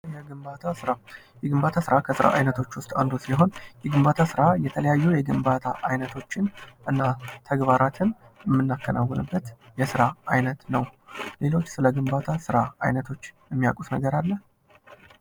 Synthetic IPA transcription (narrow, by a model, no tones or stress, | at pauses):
jaɡɨmbat̪ʰasɨɾa | jɛɡɨmbat̪ʰasɨɾakʰəsɨɾa̰ʔajnət̪ʰo̞t͡ʃːwʊst̪ʼand̪osɨliɦo̞njɛɡɨmbat̪ʰasɨɾajɛt̪ʰələjajːujɛɡɨmbat̪ʰaʔajnət̪ʰo̞t͡ʃːɪnʔɨnːat̪ʰəɡbaɾat̪ʰɨn | jɛmːɨnːakːəna̰wːɔnɨbːət̪jɛsɨɾaajnət̪nəwle̞lo̞t͡ʃːsɨləɡɨmbat̪ʰasɨɾaajnət̪ʰo̞t͡ʃːjɛmːija̰kʼusnəɡəɾalːəh